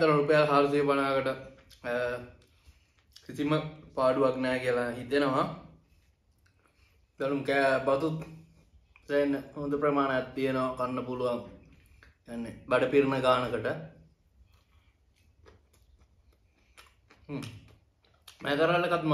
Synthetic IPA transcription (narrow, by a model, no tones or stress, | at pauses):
t̪əlɐɾupəjalɦaːɾs̬ijəpanaːkəʈə | kisiməpaːɖuʋaknɛːkiəlaɦit̪enəʋa | balumkɛːbat̪ut̪ | seenːəod̪əprɐmaːnəjat̪ːijenəʋakanːəpuluʋaŋ | ijanːebaɖəpiɾnəɡaːnəkəʈə | mʔɛ̰ːkəɾəŋəʈəkat̪m